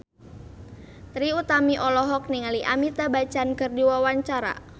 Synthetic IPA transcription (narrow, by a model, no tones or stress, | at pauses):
t̪ɾiut̪amiʔɔlɔɦɔk̚niŋaliʔamit̪abat͡ʃankɨrdiwawaɲt͡ʃaɾa̰